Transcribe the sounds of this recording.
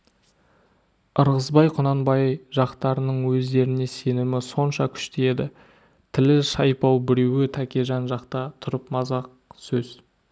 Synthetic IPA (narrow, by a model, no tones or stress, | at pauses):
əɾʁəzbɑjqʰʊnɑnbɑjʒɑqt̪ɑɾənəɴwɵzd̪e̞ɾɪne̞se̞nɪmɪso̞nʃɑkʲʰʏ̥ʃt̪ee̞d̪ɪ | t̪ʰɪlɪʃɑjpɑwbɪɾewɪt̪ʰækʲeʒɑnʒɑqt̪ɑt̪ʰʊɾəpmɑzɑq̚ | sɵz̥